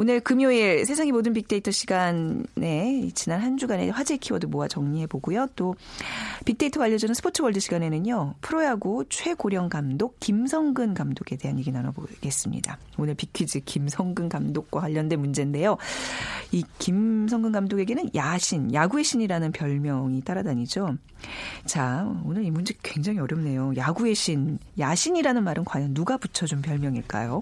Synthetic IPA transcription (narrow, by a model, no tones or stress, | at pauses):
onɯɭkɯmjoiɾsʰe̞sʰaŋimodɯnpik̚t͈e̞itʰʌɕʰiɡane̞t͡ɕinanhand͡ʑuɡane̞̰ɸwad͡ʑekʰiwʌdomoat͡ɕʌŋɲiɦe̞boɡujot͈o | pik̚t͈e̞itʰʌɡaʎːjːʌd͡ʑʌnɯnsʰɯpʰotʰɯbʌɭdɯɕʰiɡane̞nɯɲopʰɯɾojaɡut͡ɕʰwe̞ɡoɾjʌŋkamdok̚k͈ːimsʰʌŋɡɯnkamdoɡe̞de̞ɦanjeɡinanʌboɡe̞s͈ɯmɲḭda̰ | onɯɭpikʰid͡ʑikimsʰʌŋɡɯnkamdok̚k͈wawaʎːʌnde̞mund͡ʑe̞nde̞jo | ikimsʰʌŋɡɯnɡamdoɡe̞ɡenɯnjaɕʰinjaɡue̞ɕʰiɲiɾanɯnpjʌɭmjʌŋit͈aɾadaɲid͡ʑo | t͡ɕaonɯɾimund͡ʑekwe̞ŋd͡ʑaŋiʌɾjʌmne̞jojaɡue̞ɕʰinjaɕʰiɲiɾanɯnmaɾʔɯnkwajʌnːuɡaput͡ɕʰʌd͡ʑompjʌɭmjʌŋiɭk͈a̰jo